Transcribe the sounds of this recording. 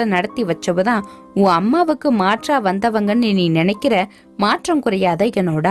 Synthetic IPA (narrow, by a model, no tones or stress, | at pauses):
ɐnɐɽɐt̪ːiʋɐt͡ʃːɐʋɯðãː | ũːɐmːaːʋɯkːɯmaːʈraːʋɐnd̪ɐʋɐŋɡɐnːɯniːnɪnɛɪkːɪɾɐ | maːʈrɐmkɯɾɐjaːðɐɪɣɛnoːɽa